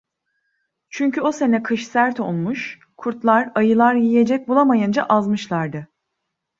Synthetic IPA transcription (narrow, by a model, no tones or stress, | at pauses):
t͡ʃʰyɲcʰyo̞se̞nɛkʰɯʃsæɾt̪ʰo̞lˠmuʃ | kʰuɾt̪lˠaɾajɯlˠaɾjije̞d͡ʒɛc̚bulˠamajɯnd͡ʒa̰ʔazmɯʃlˠaɾd̪ɯ